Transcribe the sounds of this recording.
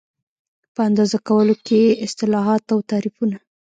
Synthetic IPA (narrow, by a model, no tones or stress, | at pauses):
pəand̪ɑzakawəlokeɪst̪ɪlɑɦɑt̪awt̪ɑɾifuna